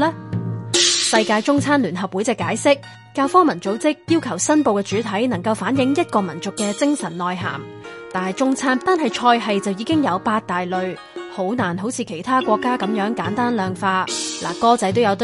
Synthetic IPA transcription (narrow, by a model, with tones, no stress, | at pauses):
lɛː˥ | sɐ˧jkaː˧jt͡sʊ˥ŋt͡sʰaː˥nlyː˨˩nɦɐ˨p̚wuː˨˥jt͡sɛː˧kːaː˨˥jsɪ˥k̚ː | aː˧wfɔː˥ŋmɐ˨˩nt͡so˨˥wt͡sɪ˥k̚jiː˥wkʰɐ˨˩wsɐ˥npo˨˧wkɛː˧t͡ʃyː˨˥t̪ʰɐ˨˥jnɐ˨˩ŋkɐ˧wfaː˨˥njɪ˨˥ŋjɐ˥t̚kɔː˧mɐ˨˩nt͡sʊ˨kːɛː˧t͡sɪ˥ŋsɐ˨˩nːɔː˨jɦa̰ː˨˩m | t̪aː˨˩nɐ˨˩jt͡sʊ˥ŋt͡sʰaː˥nt̪aː˨˧nɦɐ˨jt͡ʃʰɔː˧jɦɐ˨jt͡sɐ˨wjiː˨˧kɪ˥ŋjɐ˨˧wpaː˧t̚t̪aː˨jlɵ˨ɥ | ho˨˥wnaː˨˩nɦo˨˥wt͡sʰiː˨˧kʰe˨˩jt̪ʰaː˥kʷɔː˧kːaː˥kɐ˨˥mjœː˨˥ŋkaː˨˥nt̪aː˥nlœː˨ŋfaː˧la̰ː˨˩kɔː˥t͡sɐ˨˥jt̪o˥wjɐ˨˧wt̪